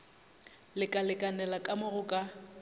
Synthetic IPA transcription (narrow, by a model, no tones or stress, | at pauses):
lɪkʼalɪkʼanɛlakʼamʊɣʊkʼa